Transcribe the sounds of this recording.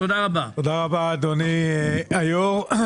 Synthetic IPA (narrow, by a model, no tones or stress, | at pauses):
od̪aʁabaod̪aʁabad̪oniajoʁ